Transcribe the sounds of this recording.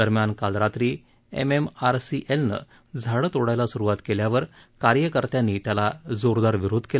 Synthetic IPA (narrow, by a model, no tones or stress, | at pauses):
d̪əɾmjankalɾat̪ɾiː | ḛmemaɾsiʔelnə̰ | d͡zʱaɭət̪oɽajlasuɾuʋat̪keljaʋəɾ | kaɾjəkəɾt̪janːiːt̪jalad͡zoɾd̪aɾʋiɾod̪ʱkel